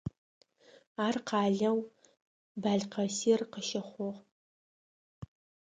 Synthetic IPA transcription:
aːrqʰɑːɮɐw | baːɮqɐsiːrqəʃɐχʷɔʁ

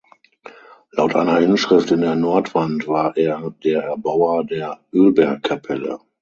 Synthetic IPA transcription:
laʊtʔa̰ɪnɐʔɪnʃʁ̥ɪftɪndeːɐnɔɐtv̥antv̥aːɐʔeːɐdeːɐʔɛɐbaʊɐdeːɐʔøːlbɛɐkʰːapʰɛlə̰

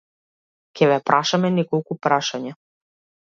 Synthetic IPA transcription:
kʲɛvɛpɾʔaʃamɛnɛkɔlˠkupɾaʃaɲa

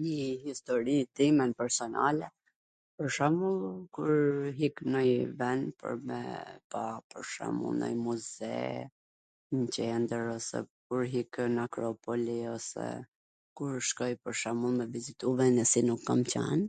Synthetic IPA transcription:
ɲəhist̪ɔɾit̪imɛnpɛɾsɔnalɛ | pəɾʃamulˠkuɾɦiknɔjvɛnpə̰ɾmɛ̰papəɾʃa̰mṵlˠnɔ̰jmuzɛ̰ | ɲcɛnd̪əɾɔsɛ̰kuɾɦiknakɾɔpɔliɔsɛ̰ | kuɾʃkɔjpəɾʃamulˠmɛvizit̪uvɛnɛsinukːamt͡ɕa̰n

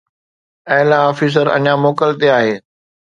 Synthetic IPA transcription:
ɛɦlaɔːfiːs̬əɾɐ̰ɲamoːkəlt̪eaːɦeː

